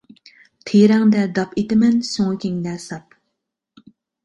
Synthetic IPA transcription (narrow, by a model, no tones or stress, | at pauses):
t̪ʰeɾɛŋd̪ɛd̪ɑpet̪ɪmɛnsoŋɨkʲʰeŋd̪ɛsɑp̚